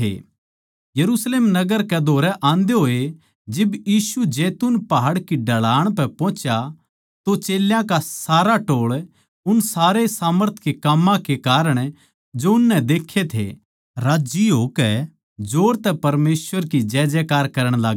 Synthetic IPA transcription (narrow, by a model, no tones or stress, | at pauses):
ḛ | jɐɾusleːmnɐɡəɾkɛd̪ʱoːɾɛʔãːnd̪eɦoːe | d͡ʒɪbjiːsud͡ʒɛːt̪unpaɦaɽkiɖʱɐɭaːəɽ̃pɛpɔ̃ːt͡ʃa | t̪ot͡ʃeːljãkasaːɾaʈoːɭ | ʊnsaːɾesaːməɾt̪ʰkekamːãkekaːɾəɽ̃ | d͡ʒoʊnːɛ̃d̪eːkʰːet̪ʰḛ | ɾaːd͡ʒiɦoːkɛ | d͡ʒoːɾt̪ɛpɐɾmeːsʋəɾkid͡ʒɛːd͡ʒɛkaːɾkɐɾəɽ̃laːɡ